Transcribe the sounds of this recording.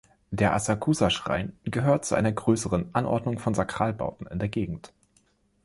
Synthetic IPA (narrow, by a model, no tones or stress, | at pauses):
d̥eːɐʔa̰sakʰuːzaʃʁ̥a̰ɪnɡ̥əɦøːɐt̚t͡suʔa̰ɪnɐɡʁøːsəʁənʔanʔɔ̰ɐdnʊŋfɔnzakʁ̥aːlba̰ʊtn̩ɪ̰ndeːɐɡeːɡŋ̩t